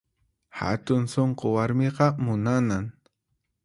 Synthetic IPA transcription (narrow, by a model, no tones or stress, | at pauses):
ha̰t̪ʊnsoɴqowaɾmeqɑmʊnanaŋ